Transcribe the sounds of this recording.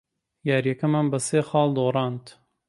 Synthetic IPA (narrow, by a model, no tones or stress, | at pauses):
jaːɾjɐkɐmanbɐseːxɑːlˠd̪oːrˤɑːnt̪